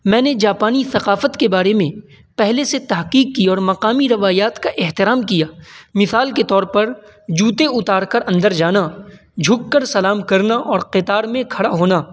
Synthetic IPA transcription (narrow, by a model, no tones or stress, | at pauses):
mɛ̃ːned͡ʒaːpaːniθɐqaːfət̪kebaːɾemẽ | pɛɦleset̪ɐɦqiːqːiɔːɾmɐqaːmiɾɐʋaːjaːt̪kaʔɪɦt̪ɪɾaːmkijaːmɪsaːlket̪ɔːɾpɐɾ | d͡ʒuːt̪eʊt̪aːɾkɐɾɐ̃nd̪əɾd͡ʒaːna | d͡ʒʱʊkːəɾsɐlaːmkɐɾnaʔɔːɾqɪt̪aːɾmẽkʰɐɽaɦoːnaː